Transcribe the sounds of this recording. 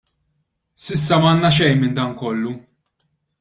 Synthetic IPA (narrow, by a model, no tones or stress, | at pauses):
sɪsːɐmɐːnːɐʃ̬ɛjnmɪnd̪ɐŋkɔlːu